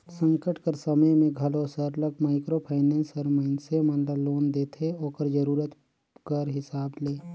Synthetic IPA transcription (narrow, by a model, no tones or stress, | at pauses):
sə̃ŋkəʈkəɾsəməjmẽɡʱəlosəɾləkmaːɪkɾopʰaɪnẽnsəɾməɪnsemənlaloːnd̪eːt̪ʰeoːkəɾd͡ʒəɾuːɾət̪ | kəɾɦɪsaːbleː